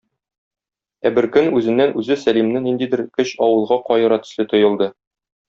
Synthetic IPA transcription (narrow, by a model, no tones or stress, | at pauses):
æbɘ̆ɾkɵnʉzɘ̆nːænʔʉzɘsælimnɘnind̪id̪ɘ̆ɾkɵɕɒwɤ̆lˠʁɑqɒjɤ̆ɾɑt̪ɘ̥̆slɘt̪ŏjɤ̆lˠd̪ɤ